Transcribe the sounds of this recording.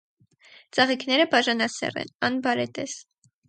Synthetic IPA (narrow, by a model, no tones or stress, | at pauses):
t͡sɑʁikʰnɛɾəpɑʒɑnɑsɛ̰rɛ̰nɑnbɑɾɛt̪ɛs